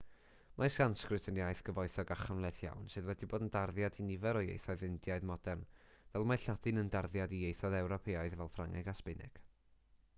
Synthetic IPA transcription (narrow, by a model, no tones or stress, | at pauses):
mʔasɡanskrɨtʰənjajθɡ̥əvɔɨθɔɡaχanlˠɛθja̰wnsɨðwɛdiboːdəndarðjadinɪvɛɾɔjḛjθɔɨðɨndjaɨðmɔdɛrnvɛlˠmaɬad̥ɨnəndarðjadiejθɔðɛwɾɔpʰeːaɨðvɛlˠfraŋʔɛ̰ɡaspɪnɪ̰ɡ̥